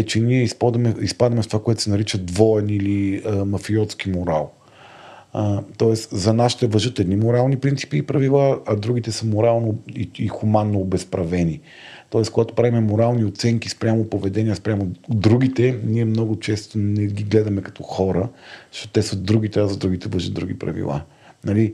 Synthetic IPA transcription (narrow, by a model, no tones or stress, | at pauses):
ɛt͡ʃɛniɛispɔd̪mɛispad̪ɐmɛft̪ovakoɛt̪ʊ̥sɛnɐɾit͡ʃəd̪vɔɛniliəmɐfiɔt̪sk̟imoɾa̰lˠ | t̪ɔɛszɐnasʃt̪ɛvɐʒɤt̪ɛd̪nimoɾalˠnipɾint̪i̥piːpɾɐvilˠaɐd̪ɾuɡ̟it̪ɛsəmoɾalˠnoiixumanːoːbɛspɾɐvɛni | t̪ɔɛskoɡat̪o̥pɾavimɛmoɾalˠniot̪sɛŋkispɾʲamopovɛd̪ɛniəspɾʲamod̪ɾuɡ̟it̪ɛniɛmnɔɡʊt͡ʃɛst̪onɛɡiɡlɛd̪ɐmɛkɐ̥t̪ɔxɔɾəzə̥ʃt̪ɔt̪t̪ɛsəd̪ɾuɡ̟it̪ɛazɐd̪ɾuɡ̟it̪ɛvɐʒət̪d̪ɾuɡ̟ipɾɐ̰vḭlˠa̰ | nɐli